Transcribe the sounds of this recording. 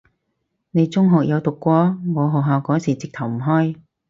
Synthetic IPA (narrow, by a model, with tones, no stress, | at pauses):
ne˨˧jt͡sʊ˥ŋɦɔː˨k̚jɐ˨˧wt̪ʊ˨kːʷɔː˥ŋɔː˨˧ɦɔː˨k̚ɦaː˨˧wkɔː˨˥ŋsiː˨˩t͡sɪ˨k̚t̪ʰɐ˨˩wm̩˨˩ɦɔː˥j